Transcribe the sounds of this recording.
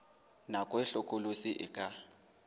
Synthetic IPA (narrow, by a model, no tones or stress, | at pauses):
nakʼwɛɬɔkʼolusiʔɪ̰kʼa